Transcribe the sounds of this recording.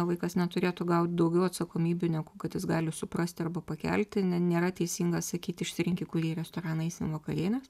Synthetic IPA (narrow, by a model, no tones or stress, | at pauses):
ʋɐɪkɐsnʲɛt̪ʊɾʲeːt̪ʊɡɐʊt̪ʲd̪ɐʊɡʲɛʊɐt̪sɐkoːmʲiːbʲunʲɛkuːkɐt̪jɪsɡɑːlʲɪsʊprɐsʲt̪ʲɐrbɐpɐkʲɛ̰lʲt̪ʲɪnʲɛnʲeːɾɐt̪ʲɛɪsʲiːŋɡɐsɐkʲiːt̪ʲɪʃʲsʲɪɾʲɪŋʲkʲɪkʊɾʲiɛɾʲɛst̪oːɾɑːnɐɪsʲɪʋɐkɐɾʲiɛnʲɛs